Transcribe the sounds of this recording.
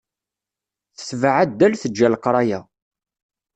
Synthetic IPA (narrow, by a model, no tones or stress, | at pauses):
θə̥svaʕad̪ːælθəd͡ʒːælqɾˤɑjæ